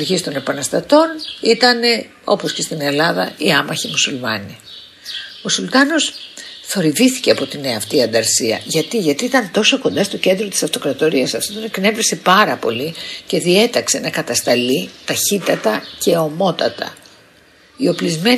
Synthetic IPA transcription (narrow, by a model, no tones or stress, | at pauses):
ɾʝist̪o̞ne̞pɐnɐst̪ɐt̪o̞nit̪ɐne̞ | o̞̰po̞sce̞st̪ine̞lɐðɐ̰iɐmɐçimusulmɐni | o̞sult̪ɐno̞s | θo̞ɾivisθi̥ce̞ɐpo̞t̪ineɐft̪iɐnd̪ɐɾsiɐ̰ʝɐt̪iʝɐt̪iit̪ɐnt̪o̞soko̞nd̪ɐst̪o̞ce̞nd̪ɾot̪i̥sɐft̪o̞kɾɐt̪o̞ɾiɐsɐft̪ot̪oneknevɾisepɐɾɐpo̞̰lice̞ðie̞t̪ɐkse̞nɐkɐt̪ɐst̪ɐlit̪ɐçit̪ɐt̪ɐce̞o̞mo̞t̪ɐt̪ɐ̰ | io̞plizme̞